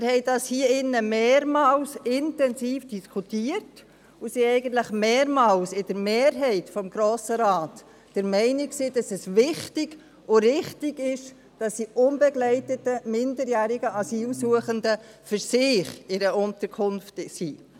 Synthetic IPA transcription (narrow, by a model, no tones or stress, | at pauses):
mɪːɾhɛɪdɑshiəɪnːəmeːɾmɑːlsɪntɛnsiːfd̥iskʰutiəɾt | ʊsiɛɪɡəntlɪχmeːɾmɑːlsɪd̥əɾmeːɾɦɛɪtfɔmɡɾoːsəɾɑːt | d̥əɾmɛɪnɪksiːd̥ɑsɛsʋɪχtɪɡ̥ | ʊɾɪχtɪɡɪʃ | d̥ɑsd̥iʔʊnbɛɡlɛɪtətəmɪndəɾjæːɾɪɡəʔɑsiːlsuəχəndəfʏɾsɪχɪɾəʊntəɾkʰʊnftsiː